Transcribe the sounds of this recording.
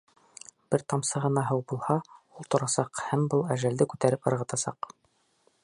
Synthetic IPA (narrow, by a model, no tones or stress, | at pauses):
b̥ɘɾt̪ɑmsɤʁɤ̆nɑɦɤwbulˠhɑulˠt̪ŏɾɑsɑqhæmbɤlˠæʒæld̪ɘkʉt̪æɾɘp̚ɤ̆ɾʁɤ̆t̪ɑsɑ̰q